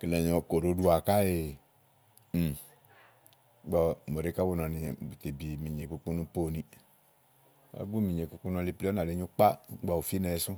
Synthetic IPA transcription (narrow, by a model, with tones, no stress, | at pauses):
ki˨lɛ˨ɲɔ̃˨ko˨ɾo˨˦du˦a˨ka˦e˨ | m̩˨˦ | ɡ͡bɔ˦mo˨ɾe˦ka˦wo˦nɔ̃˨nĩ˧bu˨t̪e˨bi˨mĩ˨ɲe˨ku˦k͡pu˦nũ˦po˦˨nĩ˦ | a̰˨˦ɡ͡bu˦mĩ˨ɲe˨ku˦k͡pu˦nu˧˦li˦pli˦ɔ˦na˨le˨˦ɲu˦k͡pa˦ɡ͡bɔ˨wu˨fi˦nɛ˨˦sũ˦